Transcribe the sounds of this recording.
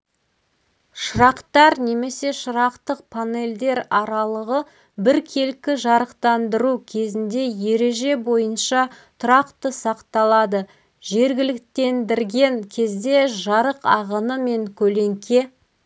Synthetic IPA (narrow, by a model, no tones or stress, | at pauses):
ʃəɾɑqt̪ɑɾne̞me̞se̞ʃəɾɑqt̪əq̚pʰane̞ld̪e̞ɾɑɾɑlˠəʁə | bɪɾkʲʰe̞lkʲɪʒɑɾəqt̪ɑnd̪əɾukʲʰe̞zɪnd̪e̞je̞ɾe̞ʒe̞bo̞jənʃɑ | t̪ʰʊɾɑqt̪əsɑqt̪ɑlˠɑd̪ə | ʒe̞ɾɡʲɪlɪkt̪e̞nd̪ɪɾɡʲe̞ŋkʲʰe̞zd̪e̞ʒɑɾəqɑʁənəme̞ŋkʲʰɵle̞ŋkʲʰe̞